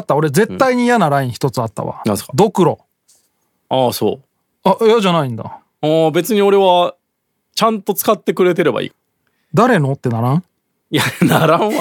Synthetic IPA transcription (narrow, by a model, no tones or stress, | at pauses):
t̪ːao̞ɾe̞d͡ze̞t̪ːaiɲ̟ijanaɾaĩɰ̃çi̥t̪o̞t͡sɨat̪ːa̰βa̰ad̪o̞kɯ̟ɾo̞ | aːso̰ː | aʔaʑanaĩnd̪a̰ | abe̞t͡sɨɲ̟io̞ɾe̞βa | t͡ɕãnt̪o̞t͡sɨ̥kat̪ːe̞kɯ̟ɾe̞t̪e̞ɾe̞ba̰ḭː | d̪aɾe̞no̞t̪ːe̞naɾãɰ̃ | janaɾãa